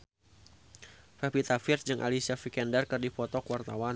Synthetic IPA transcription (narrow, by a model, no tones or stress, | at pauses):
fɛpit̪afird͡ʒɨŋʔa̰lisiafikɛndɛrkɨrdifɔt̪ɔkwart̪awan